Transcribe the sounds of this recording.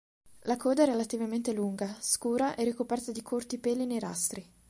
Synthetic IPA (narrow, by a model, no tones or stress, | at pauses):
lakoːd̪aɛrːelat̪ivament̪eluŋɡaskuːɾaʔɛrikopɛrt̪ad̪ikʰort̪ipeːlineɾa̰st̪ɾi